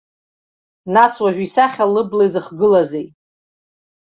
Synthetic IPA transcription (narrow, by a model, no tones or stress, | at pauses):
naswaʒᶣisaχʲalɨblajzɨχɡɨlazej